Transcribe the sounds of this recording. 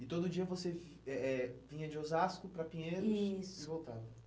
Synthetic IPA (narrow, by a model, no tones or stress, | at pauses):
ɪt̪od̪ʊd͡ʒiɐvosev | ɛɛvĩɲɐd͡ʒɪozaskʊpɾɐpĩɲeɾʊisɪvowt̪avɐ